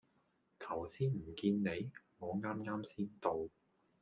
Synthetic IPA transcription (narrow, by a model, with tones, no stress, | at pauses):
t̪ʰɐ˨˩wsiː˥nm̩˨˩kiː˧nne˨˧jŋɔː˨˧ŋaː˥mŋaː˥msiː˥nt̪o˨˧w